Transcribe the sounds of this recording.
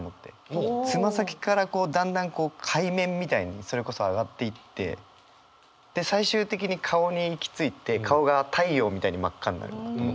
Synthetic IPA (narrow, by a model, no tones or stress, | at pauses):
omo̞t̪ːe̞̰t͡sɨmasakʲi̥kaɾako̞ːd̪ãnd̪ãŋko̞ːkʰaimẽ̞mːʲit̪aiɲ̟iso̞ɾe̞ko̞so̞aɡat̪ːe̞it̪ːe̞̰ | d̪̥e̞saiɕɨːt̪e̞k̬ʲiɲ̟ikʰao̞ɲ̟iːkʲi̥t͡sɨit̪e̞kʰao̞ɡat̪ʰaijo̞ːmʲit̪aiɲ̟imakːaɲina̰ɾɯ̰n